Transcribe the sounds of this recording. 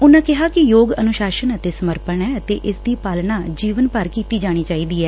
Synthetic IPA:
ʊnãːkɪɦaːkɪjoːɡənʊʃaːʃənət̪eːsəməɾpənɛːət̪eːʔɪsd̪iːpaːlnaːd͡ʒiːʋənpəɾkiːt̪iːd͡ʒaːɽ̃iːt͡ʃaːiːd̪iːɛː

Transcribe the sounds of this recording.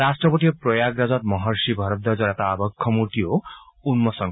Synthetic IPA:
ɾasʈrɔpɔʈ̪ijpɾɔjaɡɾad͡zɔt̪̚mɔɦɔɾsibʱʌɾɔt̪̚d̪ɔd͡zɔɾɛt̪aːbɔkʰːɔmuɾt̪ijounmɔsɔŋ

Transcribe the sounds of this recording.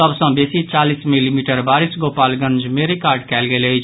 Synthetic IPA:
əbsə̃besit͡ʃalismilimiʈəɾbaɾisɡopalɡə̃nd͡ʒmeɾikaɾɖkɛlɡeləjt͡ʃʰ

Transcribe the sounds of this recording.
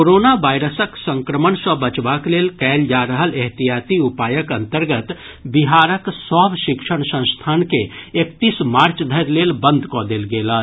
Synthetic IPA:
koɾoːnaʋaːɪɾəsəksə̃ŋkɾəməɳsəbət͡ʃʋaːkleːlkɛːld͡ʒaːɾəɦəleɦt̪ijaːt̪iʊpaːjəkɐ̃nt̪əɾɡət̪ | bɪɦaːɾəksɔːbʃɪkʃəɽ̃sə̃w̃st̪ʰaːnkeekt̪iːsmaːɾt͡ʃd̪ʱəɾleːlbə̃nd̪ʱkod̪eːlɡeːlaː

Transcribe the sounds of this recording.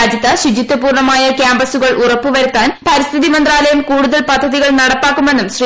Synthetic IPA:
d̪ʱjɐt̪ːɐɕud͡ʑit̪ːɐpuːrɳɐmaːjɐkʲjaːmbɐsuɣɐɭʔurɐpːuʋɐɾut̪ːaːnpɐɾist̪ʰiðimɐnd̪raːlɐjɐmkuːɽuðɐlpɐd̪ʱːɐðiɣɐɭnɐɽɐpːaːkːume̞nːumɕri

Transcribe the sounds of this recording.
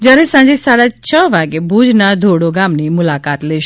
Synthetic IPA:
d͡ʒjaɾɛsãɲd͡ʒesaɽat͡ʃʰəʋaɡebʱud͡ʒnad̪ʱoɽoɡamnimʊlakat̪lɛʃ

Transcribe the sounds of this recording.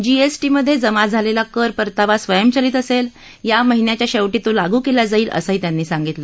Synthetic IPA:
d͡ʑiesʈiməd̪ʱːjed͡zəmad͡zʱalelakəɾpəɾt̪aʋasʋəjəmt͡ɕəliːt̪əsel | jaməɦinjat͡ɕjaɕeʋʈit̪olaɡuːkelad͡zaiːlʔə̰səɦiːt̪janːiːsaŋɡit̪lə

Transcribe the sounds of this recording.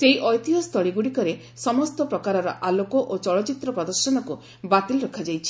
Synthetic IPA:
seiʔɔjt̪iɔst̪ʰɔɭiɡuɽikɔɾe | sɔmɔst̪ɔpɾɔkaɾɔɾɔ̰ʔalokoʔot͡ʃɔɭɔt͡ʃit̪ɾɔpɾɔd̪ɔɾsɔnɔku | bat̪ilɾɔkʰad͡ʒajt͡ʃʰi̥

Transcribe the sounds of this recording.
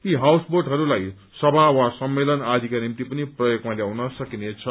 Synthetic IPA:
t̪iɦawsborɖɦʌɾulaj | sʌbʱawasʌmːelʌnad̪ʱikanimt̪ipʌniprʌjoɡmaljawnʌsʌkinet͡sʰʌ

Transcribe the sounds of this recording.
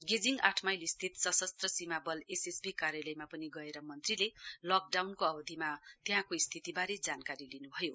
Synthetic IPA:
ɡed͡ziŋɡaʈʰmajlist̪ʰit̪sʌsʌst̪rʌsimabʌlesesbikaɾjalʌjmapʌniɡʌeɾʌmʌnt̪rilelʌk̚ɖawnkoʌbʌd̪ʱimat̪eɦãkoist̪ʰit̪ibaɾed͡zankaɾilinubʱʌjo

